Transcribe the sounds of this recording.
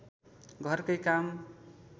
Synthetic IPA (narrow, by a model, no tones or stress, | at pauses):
ɡʱʌrkʌjkam